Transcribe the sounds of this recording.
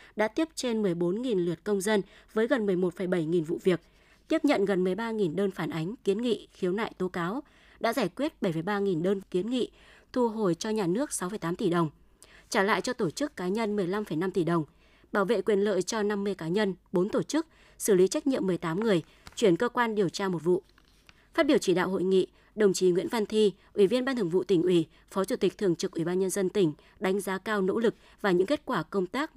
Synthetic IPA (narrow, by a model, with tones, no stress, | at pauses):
ɗa̰ː˧˥t̪i˦˥əp̚t͡ɕe˧nmɨ˨˩əjɓo˨˦nŋi˨˩nlɨ˨˩ət̚kə˧wŋ͡mzə˧nvəː˨˦jɣə˨˩nmɨ˨˩əjmo˨˩t̚fə˧˩jɓə˧˩jŋi˨˩nvṵ˧˨vi˨˩ək̚ | t̪i˦˥əp̚ɲə̰˧˨nɣə˨˩nmɨ˨˩əjɓaː˧ŋi˨˩nɗəː˧nfaː˧˩nʔa˨˦jŋ̟ki˨˦ənŋḭ˧˨xi˨˦əwna̰ː˧˨jt̪o˨˦kaː˨˦w | ɗa̰ː˧˥zaː˧˩jkwi˦˥ət̚ɓə˧˩jfə˨˩jɓaː˧ŋi˨˩nɗəː˧nki˨˦ənŋḭ˧˨t̪ʰu˧˩ɦo˨˩jt͡ɕɔ˧ɲaː˨˩nɨ˦˥ək̚sa˨˦wfə˧˩jt̪aː˨˦mt̪i˧˩ɗə˨˩wŋ͡m | t͡ɕaː˧˩la̰ː˧˨jt͡ɕɔ˧t̪o˧˩t͡ɕɨ˦˥kːaː˨˦ɲə˧nmɨ˨˩əjla˧mfə˧˩jna˧mt̪i˧˩ɗə˨˩wŋ͡m | ɓaː˧˩wvḛ˧˨kwi˧˨˩ənlə̰ː˧˨jt͡ɕɔ˧na˧mːɨ˧əjkaː˨˦ɲə˧nɓo˨˦nt̪o˧˩t͡ɕɨ˦˥k̚ | sɨ˧˩li˨˦t͡ɕa˦˥jk̟̚ɲḭ˧˨əmːɨ˨˩əjt̪aː˨˦mŋɨ˨˩əj | t͡ɕwi˧˩ənkəː˧kwaː˧nɗi˨˩əwt͡ɕaː˧mo˨˩t̚vṵ˧˨ | faː˦˥ɓi˧˩əwt͡ɕi˧˩ɗa̰ː˧˨who̰˧˨jŋḭ˧˨ | ɗə˨˩wŋ͡mt͡ɕi˨˦ŋwḭ˧˥ənva˧nt̪ʰi˧ | ʔwi˧˩vi˧ənɓaː˧nt̪ʰɨ˨˩əŋvṵ˧˨t̪ï˧˩ŋ̟ʔwi˧˩ | fɔ˨˦t͡ɕu˧˩t̪i˨˩k̚t̪ʰɨ˨˩əŋt͡ɕɨ˨˩k̚ʔwi˧˩ɓaː˧nɲə˧nzə˧nt̪ï˧˩ŋ̟ | ɗa˨˦jŋ̟zaː˨˦kaː˧wno̰˧˥lɨ˨˩k̚ | vaː˨˩ɲɨ̰˧˥ŋke˦˥t̚kwaː˧˩kə˧wŋ͡mt̪aː˦˥k̚